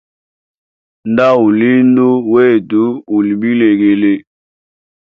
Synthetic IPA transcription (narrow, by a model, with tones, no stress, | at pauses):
nda˦u˨li˦n˦do˦we˦˨du˨˦u˨li˨bi˦le˨ɡe˨le˨